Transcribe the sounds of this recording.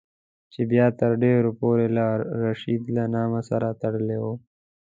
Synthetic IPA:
t͡ʃebjɑːt̪əɾɖeːɾopoːɾelaːɾːaʃiːd̪lanɑːmasaɾat̪ɐɽəlewo

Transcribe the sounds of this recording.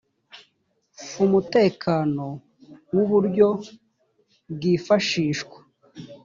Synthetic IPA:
fumute̞ːkʰaːno̞ | wuβuɾɟo̞ | bɡiːfaʃiːʃkwḁ

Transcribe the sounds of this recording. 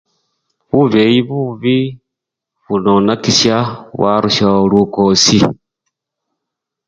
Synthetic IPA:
βuβejiβuβi | βunonakiʃaβwaɾuʃaolukosi

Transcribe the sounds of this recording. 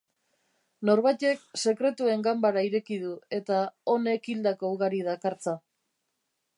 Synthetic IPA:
no̞ɾβajt̪e̞kse̞kɾe̞t̪ue̞ŋɡambaɾaiɾe̞kiðue̞t̪ao̞ne̞kild̪ako̞uɣaɾiðakaɾt͡sa

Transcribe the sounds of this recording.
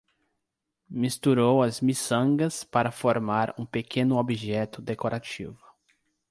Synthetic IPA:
mist̪uɾowɐzmisɐ̃ŋɡɐspaɾɐfoɾmaɾũpekʰẽnʊobiʒɛt̪ʊd̪ekoɾat͡ʃḭvʊ

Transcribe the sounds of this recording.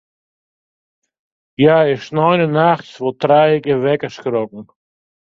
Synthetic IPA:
jaːɪʃnɔɪnənaxt͡svotɾajɪɡəvɛkəskɾɔk̚ŋ̩

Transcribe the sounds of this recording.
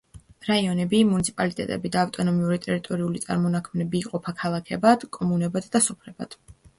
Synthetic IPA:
ɾaiɔnɛbimunit̪sʰi̥pʼalit̪ʼɛ̰t̪ʼɛ̰bid̪aːft̪ʼɔnɔmiuɾit̪ʼɛɾit̪ʼɔɾiulit̪sʼa̰ɾmɔnakʰmnɛbiːqʼɔpʰakʰalˠakʰɛbad̪̥kʼɔmunɛbad̪d̪asɔpʰlɛba̰d̪̥

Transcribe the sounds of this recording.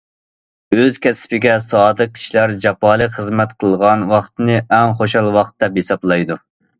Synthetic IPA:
øzkʲʰɛsɪ̥pɪɡʲɛsɑːd̪ɨq̚kʲʰi̥ʃlæɾd͡ʒɑpɑːlˠəχəzmɛt̪qʰəlˠʁɑnwɑχt̪ɨnɨɛŋχoʃɑlˠwɑχt̪d̪ɛphesɑblˠɑjd̪u

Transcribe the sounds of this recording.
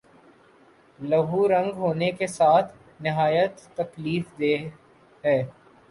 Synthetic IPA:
lɐɦuɾɐ̃ŋɡɦoːnekesaːt̪ʰ | nɪɦaːjət̪ːɐkliːfd̪eː | ɦɛː

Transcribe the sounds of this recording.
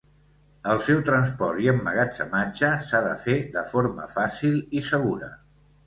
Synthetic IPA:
əlˠsɛwt̪ɾənspɔɾt̪iəmːəɣad͡zə̰mad͡ʒəsaðə̰feðəfoɾmə̰fasilˠisəɣ̞uɾə̰

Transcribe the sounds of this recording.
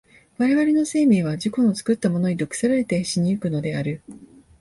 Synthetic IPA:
βaɾe̞βaɾʲe̞no̞se̞ːmʲiːβ̞ad͡ʑiko̞no̞t͡sɨ̥kɯ̟t̪ːamo̞no̞ɲ̟id̪o̞kɯ̟̥saɾaɾe̞t̪e̞ɕiɲ̟iɯ̟kɯ̟no̞d̪e̞aɾɯ̟

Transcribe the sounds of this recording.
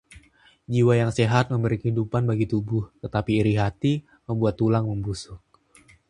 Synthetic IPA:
d͡ʒiwajaŋseɦat̪̚məmbəɾikəhidupanbaɡit̪ubʊht̪ət̪apiːɾiɦat̪i | məmbuat̪ːulaŋməmbusʊk̚

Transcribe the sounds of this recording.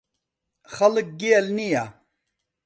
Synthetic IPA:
xɐlək̚ɡeɐlnija

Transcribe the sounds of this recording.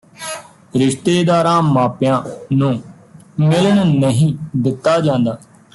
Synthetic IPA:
ɾɪʃt̪eːd̪aːɾãːmaːpjãːnũː | mɪləɳnəɦĩːd̪ɪt̪ːaːd͡ʒãːnd̪aː

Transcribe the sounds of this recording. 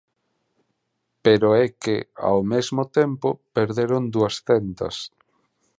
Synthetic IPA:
peɾoɛkea̰wmezmot̪empopeɾðeɾond̪uɐsθɛnt̪ɐ̰s

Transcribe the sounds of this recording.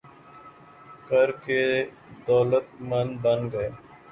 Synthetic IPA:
kəɾke | d̪ɔːlət̪̚mə̃nd̪bə̃nd̪ɡəeː

